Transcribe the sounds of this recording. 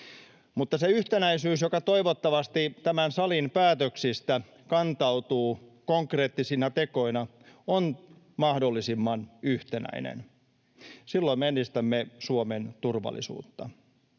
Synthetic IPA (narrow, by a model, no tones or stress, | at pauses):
mut̪ːɑseyht̪enæisyːsjokɑt̪o̞iʋot̪ːɑʋɑst̪it̪æmænsɑlinpæːt̪øksist̪æ | kɑnt̪ɑut̪uːkoŋkreːt̪ːisinɑt̪eko̞inɑ | on | mɑhdolːisimːɑnyht̪enæ̰inḛn | silːoimenːist̪æmːesuoment̪urʋɑ̰lːˑḭsṵːt̪ːɑ̰